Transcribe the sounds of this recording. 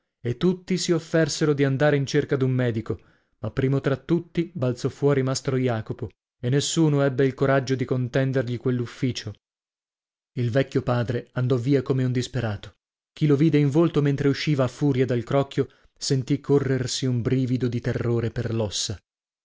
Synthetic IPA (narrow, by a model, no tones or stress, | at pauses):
et̪ːut̪ːisiofːɛrseɾod̪iand̪aːɾeint͡ʃerkad̪umːɛːd̪iko | mapːɾiːmot̪ɾat̪ːut̪ːibalt̪sɔfːwɔːɾimast̪ɾojaːkopo | enːesːuːnoɛbːeilkoɾad͡ʒːod̪ikont̪ɛnd̪erʎikwelːufːiːt͡ʃo | ilvɛkʲːjopaːd̪ɾeand̪ɔvːiːakomeund̪ispeɾaːt̪o̥ | k̟iloviːd̪eiɱvolt̪oment̪ɾeuʃːiːvaːfːuːɾjad̪alkɾɔkːjo | sent̪ikʰːorːersiumbɾiːvid̪od̪it̪erːoːɾeperlɔsːa